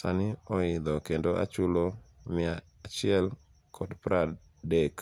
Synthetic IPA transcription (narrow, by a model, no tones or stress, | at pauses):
sanɪɔɪd̪ɔkendoʔa̰t͡ʃʊlomɪaːt͡ʃɪɛl | kʰɔdpɾa | dek